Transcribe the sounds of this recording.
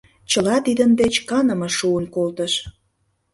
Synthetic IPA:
t͡ɕəlɑt̪id̪ənd̪et͡ɕkɑnə̆mɤ̆ʃuənkolt̪əʃ

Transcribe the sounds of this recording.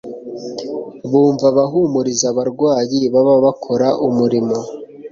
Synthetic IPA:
βuːɱvaβaɦumuɾizaβaɾɡwaːjiβaβaβakʰo̞ɾaʔumuɾimo̞

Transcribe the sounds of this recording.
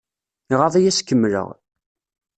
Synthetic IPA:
iʁɑðˤijæskːəmːlə̰ʁ

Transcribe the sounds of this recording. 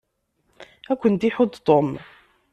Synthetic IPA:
ækʷːənt̪iħod̪t̪ˤom

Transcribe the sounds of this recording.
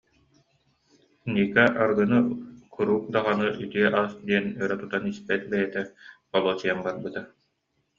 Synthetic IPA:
niːkaʔaɾɡɯnɯkʰuɾuːk̚d̪aʁanɯʔyt̪yɛʔaːsd̪iɛnœɾœt̪ut̪anispɛt̪̚bɛjɛt̪ɛqɔlˠɔːt͡ɕɯjambaɾbɯt̪a

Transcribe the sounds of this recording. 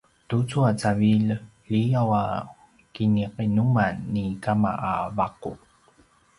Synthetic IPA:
tut͡suat͡saviʎ | ʎijawa | kiniqinumanːikama̰ʔavaqṵ

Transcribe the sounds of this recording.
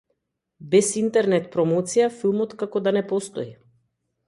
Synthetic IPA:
bɛsint̪ɛɾnɛt̪pɾɔmɔt̪sijafilˠmɔt̪kakɔd̪anɛpɔst̪ɔi

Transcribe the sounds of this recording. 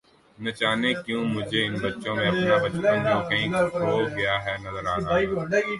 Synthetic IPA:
nɐt͡ʃaːnekjũːmʊd͡ʒʱeɪnbɐtːʃõmẽɐpnabɐt͡ʃɐ̃nõkɐɦĩːoːɡɐjaɦɛːnɐzəɾaːna

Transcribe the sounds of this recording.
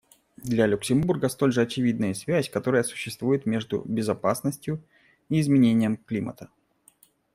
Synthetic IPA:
d̪lʲalʲʊksʲɪmburɡəst̪o̞lʲʐɨɐt͡ɕɪvʲid̪nəjəsvʲæsʲkɐt̪o̞ɾəjəsʊ̥ɕːɪst̪vujɪt̪mʲe̞ʐd̪ʊ̰bʲɪzɐpasnəsʲtʲjʊ | iːzmʲɪnʲenʲɪjəmklʲimə̰t̪ə

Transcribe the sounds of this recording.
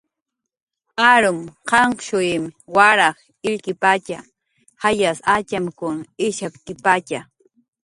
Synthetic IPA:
aɾʊmqɑɴqʃʊɪmwaɾɑχ | ɪʎkɪpat͡ʃa̰ | hajasat͡ʃamkʊŋɪʃap̚kɪpat͡ʃa

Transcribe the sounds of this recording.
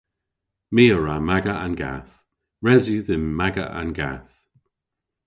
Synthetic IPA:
miːəɹamaɡəanɡa̰θ | ɹɛzjuðɪnmaɡə̰ʔa̰nɡa̰θ

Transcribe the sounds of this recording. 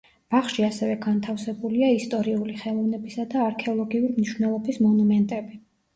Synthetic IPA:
b̥aχʃiasɛvɛɡant̪ʰafsɛbuliaist̪ʼɔɾiuliχɛlˠɔvnɛbisad̪aːɾkʰɛɔlˠɔɡiuɾimniʃwnɛlˠɔbismɔnumɛnt̪ʼɛbi

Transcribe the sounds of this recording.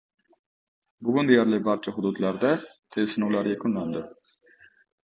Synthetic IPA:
bʊɡʲund̪ijæɾlˠɪbɑɾt͡ʃʰɑɦʊd̪ud̪læɾd̪ɛt̪ʰesɪnulˠɑɾjekʰʲunlænd̪ɪ

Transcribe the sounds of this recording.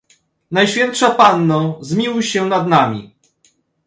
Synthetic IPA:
najɕfʲjɛnt̪ʂapanːɔzmʲiwɕɛnad̪namʲḭ

